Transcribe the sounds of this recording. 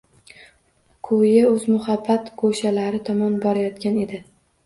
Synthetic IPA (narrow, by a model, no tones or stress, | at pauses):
kʰʊjɪɵzmʊhabːat̪ɡʰoʃalaɾɪt̪ʰɒmɒnbɒɾajɒt̪kʲane̞d̪ɪ